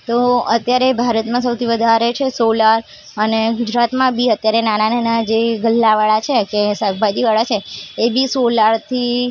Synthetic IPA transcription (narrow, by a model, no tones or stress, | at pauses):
t̪oət̪jaɾebʱaɾət̪mãs̬əwt̪ʰiʋəd̪ʱaɾet͡ʃʰesolaɾ | əneɡʊd͡ʒɾat̪mãbiət̪jaɾenanananad͡ʒeɡəlːaʋaɭat͡ʃʰekesəɡbad͡ʒiʋaɭat͡ʃʰeːbisolaɾt̪ʰi